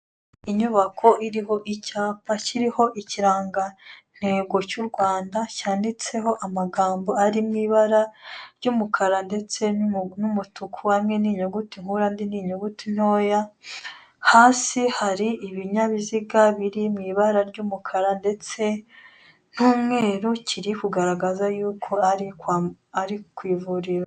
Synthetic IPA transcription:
iɲuβakʰo̞ʔiɾiɦo̞ʔicaːpaciɾiho̞ʔiciɾaːŋɡan̥he̞ːɡo̞cuɾɡwaːndacaːndit͡se̞ɦo̞ʔamaɡaːmbo̞aɾimŋiːβaɾaɾɟumukʰaɾande̞t͡se̞numutukʰuhamŋeniɲoɡutiŋ̥huɾandiniːɲoɡutin̥ho̞ːja | haːsihaɾiʔːβiɲaβiziɡaβiɾimŋiːβaɾaɾɟumukʰaɾande̞t͡se̞ | n̥uːmŋe̞ːɾucʰiɾikuɡaɾaɡazajuːkʰo̞aɾikwa | aɾikwiːvuɾiɾa

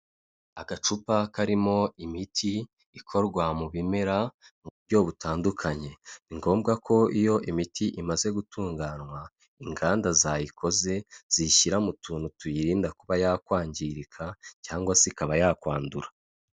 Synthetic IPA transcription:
aɡat͡ʃupakaɾimo̞imitʰiː | kʰo̞ɾɡwamuβimeɾamuβubɟo̞βutaːndukʰaɲe̞niŋɡo̞ːmbɡakʰo̞ijo̞ʔimitʰiʔimaze̞ɡutʰuːŋɡaːnŋwa | iŋɡaːndazajikʰo̞ze̞z̥iʃiɾamutʰuːnutujiɾiːndakuβajaːkwaːɲɟiɾikʰacaːŋɡwasikaβajakwaːnduɾa

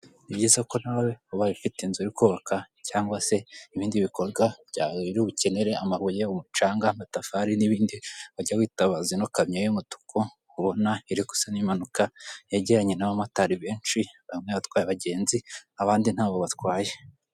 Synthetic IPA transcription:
nibɟiːzako̞n̥haβaweoβaβifiteinzuɾikuːβakʰa | caːŋɡwase̞iβiːndiβiko̞ɾɡabɟaiɾiuβuce̞ne̞ɾe̞amaβuje̞umut͡ʃaːŋɡamatafaɾiniβiːndiβaɟawiːtaβazino̞kamɲajomutu̥kʰo | uβo̞naiɾiku̥sanimanukajaɟeɾaɲenaβamataɾiβe̞ːnt͡ʃiβamŋeβatkwaːjaβaɟe̞ːnziaβaːndin̥haːβoβatkwaːje

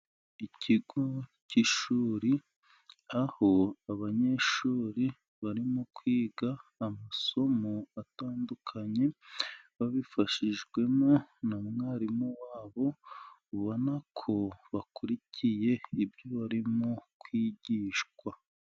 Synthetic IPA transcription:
icʰiɡo̞ciʃuːɾi | aho̞aβaɲe̞ʃuːɾi | βaɾimokwiːɡaːmaso̞mo̞ataːndukʰaɲe̞βaβifaʃiʒɡwe̞mo̞namŋaːɾimowaːβo̞uβonakʰo̞βakuɾicʰije̞ibjo̞βaɾimokwiːɟiːʃkwa

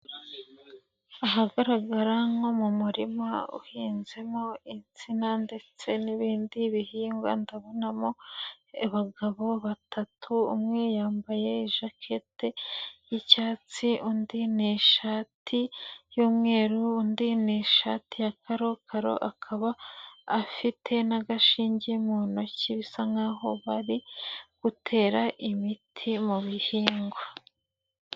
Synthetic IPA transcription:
aɦaɡaɾaɡaɾaŋomumuɾimaṵhiːnze̞moint͡sinande̞t͡se̞niβiːndiβihiːŋɡwa̰ndaβo̞namo̞ | βaɡaβo̞βatʰatʰṵːmŋejaːmbaje̞iʒakʰe̞te̞jicaːt͡siundineʃatʰijuːmŋe̞ːɾuːndineʃa̰tijakaɾo̞kʰaɾo̰ʔakʰaβaː | fitʰe̞naɡaʃiːɲɟemuːno̞ciβisaŋɡaɦo̞βaɾiɡ̥utʰe̞ːɾaʔimitʰimuβihiːŋɡwo

